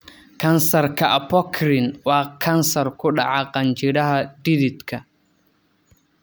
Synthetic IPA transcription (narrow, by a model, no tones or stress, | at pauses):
kʰɐnsɐrkʰɐʔɐpɔkʰɾɪnwɑːkʰɐnsɐrkʰʊɗɑ̰ʕaqɑnt͡ʃɪɾɐɦɐdiɾɪd̪kʰɐ